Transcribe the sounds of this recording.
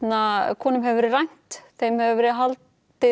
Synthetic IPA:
nakʰɔːnʏmɦɛvvɛɾrajn̥t̪θejmhɛvavɛɾɪɦalt̪ | ɪ

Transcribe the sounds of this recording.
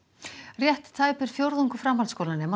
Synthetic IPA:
rjɛht̪ːʰaːjpɪɾ̥fjowɾðuŋkʏfɾamɦalskowlanɛma

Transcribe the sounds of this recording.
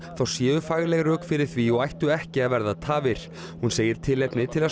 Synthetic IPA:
θawsjɛːʏfaːɣlɛɣɾœːkfɪɾɪɾ̥θviɔɣajht̪ʏɛhcɪaðvɛɾðat̪ʰaːvɪɾ̥ | hunseːjɪɾ̥t̪ʰɪlɛpnɪt̪ʰɪlað

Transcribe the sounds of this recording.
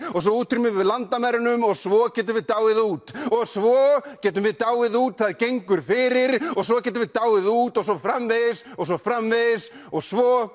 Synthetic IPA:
ɔɣs̬vɔuːt̪ʰːɾimɪðvɪðlant̪amɛɾɪnʏmɔɣsvɔcɛːt̪ʏvɪðt̪aːwɪðuːt̪ɔɣsvɔcɛːt̪ʏmvɪðt̪aːwɪðuːt̪θaðcejŋkʏɾ̥fɪɾɪɾɔɣs̬vɔcɛːt̪̬ʏmvɪðt̪aːwɪðuːt̪ɔɣsɔfɾamvɪðsɔɣsɔfɾamvɪðs | ɔɣsvɔ

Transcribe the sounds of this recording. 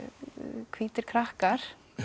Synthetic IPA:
kʰviːt̪ɪɾ̥kʰɾahkaɾ̥

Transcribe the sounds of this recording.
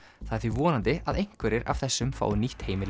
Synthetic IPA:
θaðɛɾθvivɔːnant̪ɪaðejŋ̥kvɛɾɪɾa̰v̥θɛsːʏmfa̰ːwniht̪heːjmɪl

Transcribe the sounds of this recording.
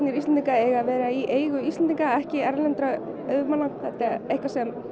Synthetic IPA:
nɪɾist̪ɛniŋkaɛɣaðvɛːɾaiʔeːjɣʏist̪ɛnt̪iŋkaɛhcɪɛɾlɛnt̪ɾa | œðmaːnaŋθɛt̪aɾejhkvasɛm

